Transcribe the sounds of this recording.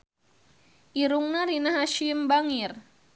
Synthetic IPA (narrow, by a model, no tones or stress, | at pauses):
ʔiɾuŋnaɾinaɦaʃimbaŋir